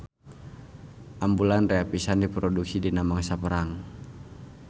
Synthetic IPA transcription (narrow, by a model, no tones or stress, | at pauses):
ʔambulanreapisandipɾɔduksidinamaŋsapəɾaŋ